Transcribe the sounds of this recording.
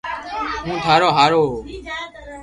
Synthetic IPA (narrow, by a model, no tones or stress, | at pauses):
ɦũːt̪ʰaːɾoːɦaːɾoːɦoː